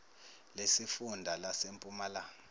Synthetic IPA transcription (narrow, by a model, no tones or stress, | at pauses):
lesifundʱalasempʼumalaːŋɔ